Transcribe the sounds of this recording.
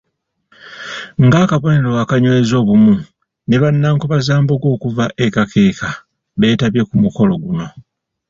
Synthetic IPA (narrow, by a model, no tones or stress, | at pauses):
ŋɡaːkaβo̞ne̞ɾo̞wakaɲwezo̞ːβumu | ne̞βanːaːŋkoβazaːmboɡo̞ːkuvaʔe̞kakʰeːka | βe̞ːtaβje̞kumuko̞lo̞ɡuno̞